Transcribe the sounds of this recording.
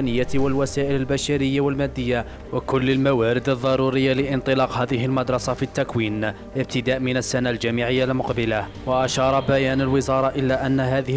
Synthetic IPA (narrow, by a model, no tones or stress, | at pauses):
nəjːawalwasaːʔɪlalbaʃaɾəjːawalmæd̪ːəjːa | wakʊlːalmawaːɾɪd̪ɑðˤːɑɾˤuɾəjːalɪʔɪnt̪ˤɨlɑːqɦæːd̪ɪɦɪlmɑd̪ɾˤɑsɑfit̪ːakwiːn | ʔɪb̚t̪ɪd̪aːʔmɪnasːanald͡ʒamiʕɪjːalmʊqbɪla | waʔaʃɑːɾˤɑbæjæːnalwɪzɑːɾˤɑʔɪlːaʔanːaɦaːðɪ